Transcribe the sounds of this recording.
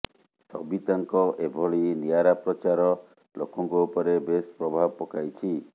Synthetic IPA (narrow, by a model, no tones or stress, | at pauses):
sɔbit̪aŋkɔʔebʱɔɭiniaɾapɾɔt͡ʃaɾɔ | lokɔŋkɔupɔɾebespɾɔbʱabpɔkajt͡ʃʰi